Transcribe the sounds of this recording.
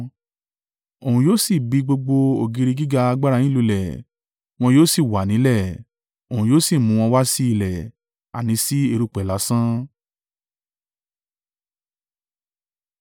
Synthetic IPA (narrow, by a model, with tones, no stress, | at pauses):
o˨ũ˨joː˦si˦˨bi˨˧ɡ͡bo˧ɡ͡bo˧o˨ɡi˨˧ɾi˧ɡi˦ɡa˧a˧ɡ͡ba˦ɾa˧j̃ĩ˦lu˧lɛ˨ | w̃ɔ̃˧joː˦si˦˨wa˨nĩ˨˦lɛ˦˨ | o˨ũ˨joː˦si˦˨mũ˨˧w̃ɔ̃˧wa˦si˦i˦˧˨lɛ˨ | a̰˨nĩ˨˦si˦e˧ɾu˦˧˨k͡pɛ˨la˨˦sã˦